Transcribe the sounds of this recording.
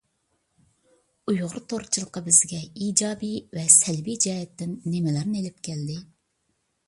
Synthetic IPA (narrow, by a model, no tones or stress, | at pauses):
ujʁʊɾt̪ʰoɾt͡ʃʰɨlˠəqɑbɪzɡʲɛiːd͡ʒɑːbivɛsɛlbijd͡ʒɛːɦɛt̪ːɪnːemɪlæɾnelɪp̚kʲʰɛld̪ɪ